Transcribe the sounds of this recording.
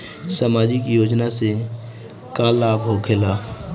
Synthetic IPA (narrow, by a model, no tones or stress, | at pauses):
saːmaːd͡ʒikjoːd͡ʒnase | kalaːbɦokʰelaː